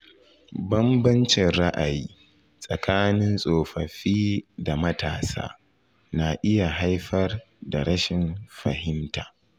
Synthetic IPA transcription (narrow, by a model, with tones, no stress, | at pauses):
bɐ˦mbɐ˦nt͡ʃɪ˨nɾa˦ʔa˨jiː˦ | sʼɐ˨kʰaː˦nɪ˦nsʼoː˨ɸɐ˨ɸiː˦da˨mɐ˦taː˨sa̰ː˦ | na˨ʔɪ˦ja˨ɦa˦jɸɐ˦r | da˨ɾɐ˦ʃɪ˨nɸɐ˨hɪ˦ntaː˨